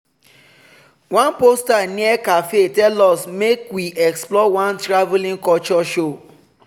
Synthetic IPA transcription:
wãnpostanĩɛkafetɛlɔsmekwiʔɛksplɔwãntɾavulĩŋkɔt͡ʃɔʃo

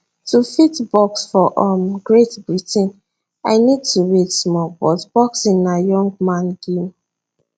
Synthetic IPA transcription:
tufitbɔksfɔʔɔmɡɹetbɹitʰĩn | aɪnid̚tʰuɹitsmɔbɔtb̥ɔksĩnajɔ̃ŋɡ̚mãnɡ̥im

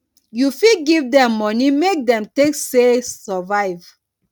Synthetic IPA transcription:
jufidɡivdɛ̃mːɔnimek̚dɛ̃mteksesɔvaɪv

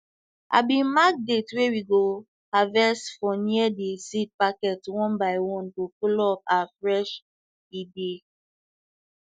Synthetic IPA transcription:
ʔa̰bĩmak̚detwewiɡo | avɛstfɔniɛdesit̚pakɛtwɔ̃nbaɪwɔ̃ntokɔlɔp̚afɾɛʃ | ide

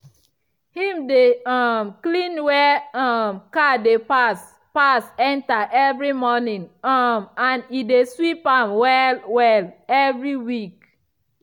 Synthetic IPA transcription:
hĩmdeamklĩnwɛamkadepas | pasɛ̃ntaʔɛvɹimɔnĩŋmãnideswipãmwɛlwɛlɛvɹiwik

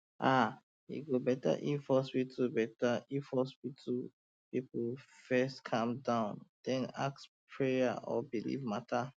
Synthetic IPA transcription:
ʔa | ḭɡobɛta̰ʔifɔspitʰubɛtaifhɔspitʰu | pipfɛstkʰãmdãʊ̃nd̥ɛ̃na̰kspʰɹeaɔ̰bilḭvmatʰa

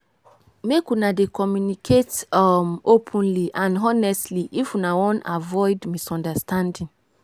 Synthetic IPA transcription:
mekunãdekʰɔmjunikʰetmopʰə̃nliʔãnɦɔnɛstliʔifunãwɔ̃na̰vɔɪdmisɔ̃ndəstʰãndĩŋ

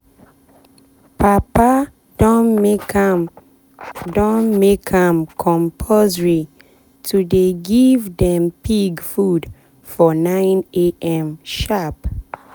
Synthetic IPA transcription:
papa | d̥ɔn | dɔ̃nmekʰamkʰɔ̃mpʰozɹi | tʰudeɡivdɛ̃mpʰiɡfud | fɔnãɪ̃neʔɛ̃mʃap

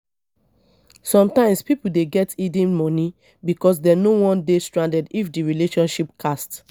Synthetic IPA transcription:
sɔ̃mtãɪ̃mspipul̩deɡɛtidĩnmɔni | bikɔs̬dɛnowɔ̃ndestɹãndɛdifdiɹileʃɔ̃nʃipkʰast

